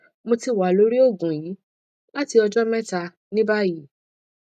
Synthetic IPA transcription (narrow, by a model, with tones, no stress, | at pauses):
mõ˧ti˧wa˨lo˨˦ɾi˦o˦˨ɡũ˨jiː˨˦ | la˦ti˧ɔ˧d͡ʒɔ˦mɛ̃˦ta˧ | nĩ˦ba˦ji˦